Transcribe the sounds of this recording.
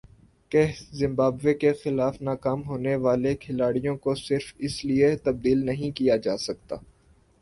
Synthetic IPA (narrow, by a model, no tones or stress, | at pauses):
kɛɦzɪ̃mbaːbʋekexɪlaːfnaːkaːmɦoːneʋaːlekʰɪlaːɽijõkosɪɾfɪsliet̪ɐb̚d̪iːlnɐɦĩkijad͡ʒaːsɐk̚t̪a̰ː